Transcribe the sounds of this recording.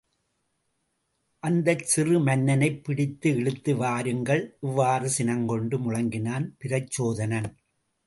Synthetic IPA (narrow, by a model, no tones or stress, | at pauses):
ʔɐnd̪ɐt͡ʃɪrɯmɐnːɐnɐɪpːɪɽɪt̪ːɯɛɻɯt̪ːɯʋaːɾɯŋɡɐɭʔɪʋːaːrɯsɪnɐŋɡɔɳɖɯmʊɻɐŋɡɪnaːnpɪɾɐt͡ʃːoːðɐnɐn